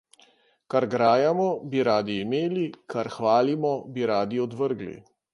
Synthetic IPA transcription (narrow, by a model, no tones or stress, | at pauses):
kaɾɡɾaːjamɔbiɾaːd̪iːmeːlikaɾxʋaːlimɔbiɾaːd̪iɔd̪ʋəɾɡlḭ